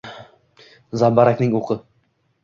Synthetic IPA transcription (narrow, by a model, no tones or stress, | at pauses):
zambaɾakʲnɪŋoqʰɨ